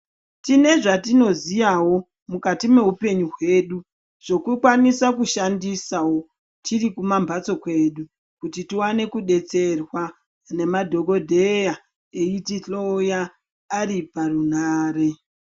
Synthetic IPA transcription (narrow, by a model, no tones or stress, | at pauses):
tine̞ʐatino̞zijawo̞ | mukatime̞ɦupe̞ɲuɦwe̞ːɗu | ʐ̥o̞kukwanisakuʃandisawo̞ | tʰirikumambat͡so̞kwe̞ːɗu | kutitiwane̞kuɗe̞t͡se̞rwa | ne̞madʱo̞ko̞dʱe̞ja | eitiɬojaː | riparunaːre̞